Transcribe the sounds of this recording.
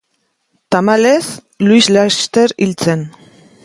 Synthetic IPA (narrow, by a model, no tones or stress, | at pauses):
t̪amale̞s | luislast̪eɾilt͡se̞n